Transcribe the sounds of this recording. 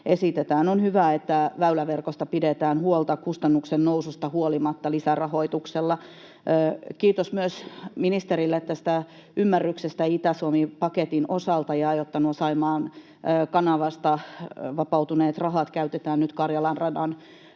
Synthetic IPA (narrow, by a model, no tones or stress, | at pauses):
esit̪et̪æːnonhyʋæet̪ːæʋæylæʋerkost̪ɑpidet̪æːnhuolt̪ɑkust̪ɑnːuksennousust̪ɑhuolimɑt̪ːɑlisærɑho̞it̪ukselːɑː | kiːt̪osmyøsminist̪eɾilːeet̪ːæsĭ̥t̪æ | ymːærːyksest̪æit̪æsuomipɑket̪inosɑlt̪ɑjɑejot̪ːɑnuosɑimɑːnː | kɑnɑʋɑst̪ɑʋɑpɑut̪uneːt̪rɑɦɑt̪kæyt̪et̪æːnnyt̪kɑrjɑlɑnrɑdɑn